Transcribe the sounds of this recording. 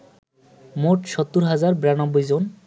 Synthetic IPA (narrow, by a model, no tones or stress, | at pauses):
moʈʃɔt̪ːuɾɦad͡ʑaɾbɾanɔbːojd͡ʑon